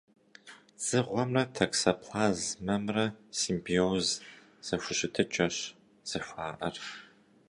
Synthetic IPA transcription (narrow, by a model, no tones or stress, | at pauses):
z̥ɨʁʷɔmrɐtʰɐksɐpʰlaːzmɐmrɐsimbioz | z̥ɐɕʷʊɕɪtʰɨt͡ʃʼɐɕ | z̥ɐɕʷaːʔɐr